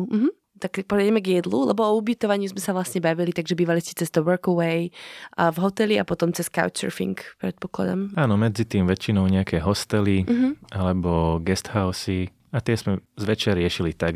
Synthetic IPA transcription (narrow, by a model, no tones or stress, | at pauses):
m̩ɦm̩ | t̪ak̚pɔɾɛɟɛmɛɡjɛd̪lulɛ̰bɔɔubit̪ɔʋaɲɪuzmɛsaʋlasɲɛbaʋilit̪aɡʒɛbiːʋaliscɛ̥t͡sɛst̪ɔwɔɾkəwɛjəvɦɔt̪ɛliapɔt̪ɔmt͡sɛska̰ʊt͡ʃɛ̰ɾfḭŋkpɾɛt̪̚pɔkla̰d̪a̰maːnɔmɛd͡zit̪iːmʋɛt͡ʃːinɔʊɲɛakʰɛːɦɔst̪ɛliɦ̩alɛbɔɡɛst̪haʊsi | at̪ɪɛzmɛzʋɛt͡ʃaɾɪɛʃilit̪aɡ